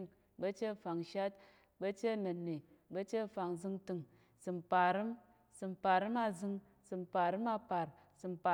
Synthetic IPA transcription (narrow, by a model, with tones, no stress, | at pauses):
ŋ | bə˦t͡ʃe˦˨fa˨ŋʃa˦t̚ | bə˦t͡ʃe˦˨nɨ˨nːi˨ | bə˦t͡ʃe˦˨fa˨ŋzɨ˧ŋtɨ˧ŋ | sɨ˨˧mpa˨ɾɨ˦m | sɨ˧mpa˨ɾɨ˦ma˧zɨ˧ŋ | sɨ˧mpa˨ɾɨ˦ma˧pa˨ɾ | sɨ˧mpa˨